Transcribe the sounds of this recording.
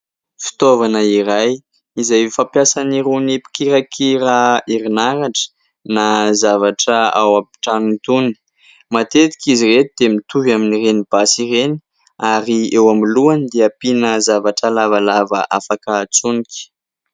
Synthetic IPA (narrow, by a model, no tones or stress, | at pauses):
fi̥t̪ovanəiɾaj | izajfapjasaniɾunipi̥kiɾakʰiɾaiɾinaɾaʈ͡ʂə̥ | nazavaʈ͡ʂəa̰wapi̥ʈ͡ʂanint̪uni̥ | mat̪et̪i̥kiziret̪id̪emit̪uvaminirenib̥asireni | aɾiewamiluanid̪eapinəzavaʈ͡ʂəlavalavə̰ʔafakəːt͡suniki̥